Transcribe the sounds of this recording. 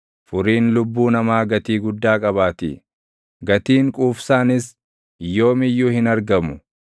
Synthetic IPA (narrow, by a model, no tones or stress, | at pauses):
fʊɾiːnlʊbːuːnɐmaːɡɐt̪iːɡʊd̪ːaːkʼɐβaːt̪ḭː | ɡɐt̪iːŋkʼuːfsaːnɪs | jːo̞ːmɪjːuːhɪnɐɾɡɐmʊ